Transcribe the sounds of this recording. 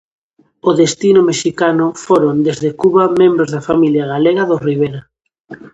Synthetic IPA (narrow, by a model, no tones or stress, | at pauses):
oðest̪inʊmeʃikanʊfoɾond̪ezðekuβɐmẽmbɾozðafamiljaɣaleɣɐðoriβ̞eɾɐ